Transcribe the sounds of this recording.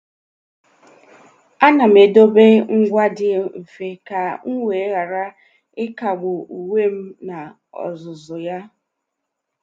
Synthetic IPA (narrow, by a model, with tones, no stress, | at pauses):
a˦na˨m̩e˨do˦be˦ŋ̩˦ɡʷa˦dɪ˨m̩˨fe˨ka˨ŋ̩˦ŋʷe˨˦ɣa˨ɾa˦ | ɪ˦ka˨ɡ͡bʊ˨u˨we˦m̩˦na˨ | ɔ̰˨zʊ˨zʊ˨ja˦